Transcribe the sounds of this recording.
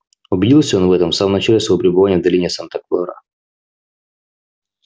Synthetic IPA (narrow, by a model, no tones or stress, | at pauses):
ʊbʲɪdʲilˠsʲəonvɛt̪əmfsaməmnɐt͡ɕalʲɪsvəjvopʲɾʲɪbɨvanʲɪjəvd̪ɐlʲinʲɪjəsant̪ɐklˠoɾə̰